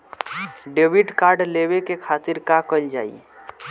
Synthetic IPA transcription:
ɖeːwɪɖkaːɾɖleːwekekʰaːt̪ɪɾkakəld͡ʒa̰ːḭ

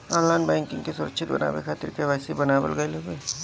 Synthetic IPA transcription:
aːlːaːnbɛ̃ːŋkɪ̃ŋɡkesʊɾə̰kʃʰɪt̪̚bɐ̰na̰ːʋḛkʰaːt̪ɪɾkeʋaːsibɐnaːbə̰lɡəelobeː

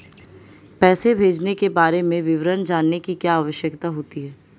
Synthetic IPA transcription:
pɛːsebʱeːd͡ʒnekebaːɾemẽʋɪʋɾənd͡ʒaːnːekikjaːʋəʃjəkt̪aɦoːt̪iɦɛː

